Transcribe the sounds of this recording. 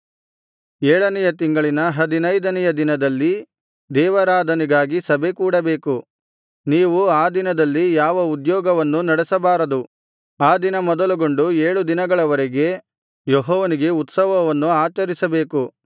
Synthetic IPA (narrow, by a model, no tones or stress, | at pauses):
eːɭɐnɛjɐt̪iŋɡɐɭinɐɦɐd̪inɐjd̪ɐnɛjɐd̪inɐd̪ɐlːi | d̪ɛːʋɐɾaːd̪ʱɐniɡaːɡisɐbʱe̞kuːɽɐbe̞ːku | niːʋuaːd̪inɐd̪ɐlːijaːʋɐud̪jɔːɡɐʋɐnːunɐɽɛsɐbaːɾɐd̪u | aːd̪inɐmɔd̪ɐluɡo̞ɳɖueːɭud̪inɐɡɐɭɐʋɐɾɛɡe̞ | jɔɦɔːʋɐniɡe̞ut̪sɐʋɐʋɐnːuaːt͡ʃɐɾisɐbe̞ːku